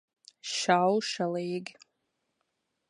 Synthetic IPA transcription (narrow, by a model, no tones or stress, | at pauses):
ʃalʃalejɡʲ